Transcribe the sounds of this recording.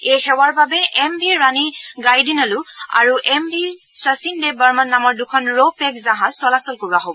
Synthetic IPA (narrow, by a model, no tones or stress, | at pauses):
ejxɛwaɹbabɛʔɛmbʱiɹaniɡajdinalʊa̰ɹuʔɛmbʱisasindɛbaɹmanːamɔɹdukʰɔnɹopɛkzãɦãsɔlasɔlkoɹaɦobɔ